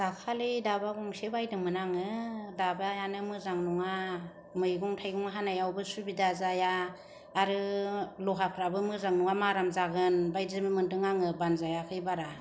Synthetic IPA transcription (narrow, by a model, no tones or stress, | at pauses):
d̥akʰalidabaɡɔŋsebajdɯŋmɯnaŋɯdabajanɯmɯzaŋnuŋa | mɯjɡɔŋtʰajɡɔŋaɦanajawbɯsubidazajaː | ɾɯlɔɦapʰɾabɯmɯzaŋnuŋamaɾamzaɡɯnbajzɯmimɯndɯŋaŋɯbanzajakʰɯjbaɾa